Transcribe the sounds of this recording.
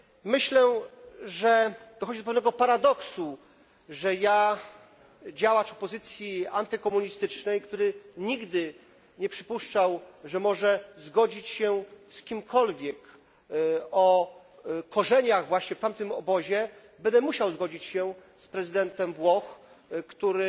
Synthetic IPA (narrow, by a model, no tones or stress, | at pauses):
mɘɕlɛʐɛd̪̥ɔxɔd͡ʑid̪ɔpɛvn̪ɛɡɔpaɾad̪ɔksu | ʐɛja | d͡ʑawat͡ɕɔpɔzɘt̪sʲjiant̪ɘkɔmuɲist̪ɘt͡ʂnɛjkt̪uɾɘɲiɡd̪ɘ | ɲɛpʂɘpuʂt͡ʂawʐɛmɔʐɛzɡɔd͡ʑit͡ɕɕɛskʲimkʰɔlvʲjɛk | ɔ | kɔʐɛɲaɣvwaɕɲɛft̪amt̪ɘmɔbɔʑɛ | bɛnd̪ɛmuɕawzɡɔd͡ʑit͡ɕɕɛ | spɾɛzɘd̪ɛnt̪ɛmvwɔx | kt̪uɾɘ